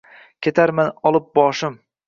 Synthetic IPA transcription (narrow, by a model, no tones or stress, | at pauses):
kʲʰe̞t̪ʰaɾmanɒlˠɪp̚bɒʃɪm